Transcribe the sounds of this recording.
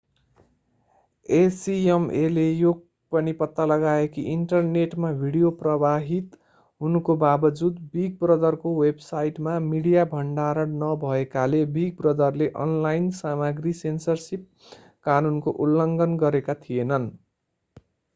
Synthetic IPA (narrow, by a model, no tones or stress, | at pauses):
esiemelejoɡ̚ | pʌnipʌt̪ːalʌɡaekiʔiɳʈʌrneʈmabʱiɽijoprʌbaɦit̪ | ɦunukobabʌd͡zud̪biɡ̚brʌd̪ʌrkowebsajiʈmamiɽijabʱʌɳɖaɾʌɽnʌbʱʌekalebiɡ̚brʌd̪ʌrleʔʌ̰nlajnsamaɡrisensʌrsip̚ | kanunkoʔulːʌŋɡʌnɡʌɾekat̪ʰijenʌn